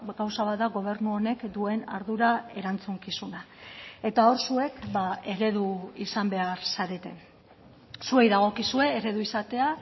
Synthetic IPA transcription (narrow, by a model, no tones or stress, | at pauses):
ɡawsaβat̪d̪aɣo̞β̞e̞ɾnuo̞ne̞kd̪ue̞na̰ɾðuɾae̞ɾant͡suŋkisuna | e̞t̪ao̞ɾsue̞kbae̞ɾe̞ðuisambe̞aɾsaɾe̞t̪e̞n | sue̞jðaɣ̞o̞kisue̞ːɾe̞ðuisat̪e̞a